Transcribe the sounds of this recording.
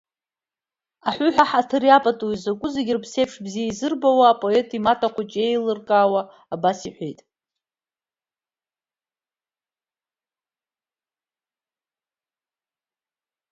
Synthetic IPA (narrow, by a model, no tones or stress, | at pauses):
aħʷʊħʷᶣaħatʰɨrjapʼatʼuizakʷʼʊzeɡʲɪrpʰsejpʰʂbzijaizɨrbawaːpʼo̞etʰʼimatʰʼaqʷat͡ʃʼejlɨrkʼaːwa | abasiħʷejtʼ